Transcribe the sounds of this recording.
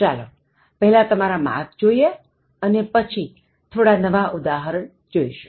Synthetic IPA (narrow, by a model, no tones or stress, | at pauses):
t͡ʃalo | pəɦɛlat̪əmaɾamã̰k̪d͡ʒoie | ənepət͡ʃʰi | t̪ʰoɽanəʋaʔʊd̪aɦəɾəɳ | d͡ʒoiʃu̥